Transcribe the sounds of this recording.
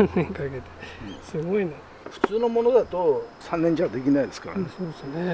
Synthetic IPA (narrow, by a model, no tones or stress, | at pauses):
ãnnẽŋkaiɡet̪ẽ̥sɨɡoina | ɸɯ̟̥t͡sɨːno̞mo̞no̞d̪at̪o̞sãnːẽ̞ɲ̟t͡ɕad̪e̞kʲinaid̪e̞sɨ̥ka̰ɾa̰nesoːsne